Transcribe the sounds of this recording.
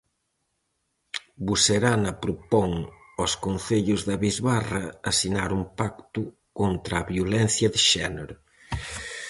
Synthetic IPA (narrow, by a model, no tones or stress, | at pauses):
buseɾanɐpɾopɔŋ | ɔskonθeʎʊzðɐβizβarɐːsinaɾumpak̚t̪ʊ | kont̪ɾaːβjolɛn̟θjɐðɪʃɛneɾʊ